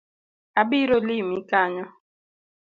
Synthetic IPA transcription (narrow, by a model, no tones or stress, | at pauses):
abiɾolimikaɲɔ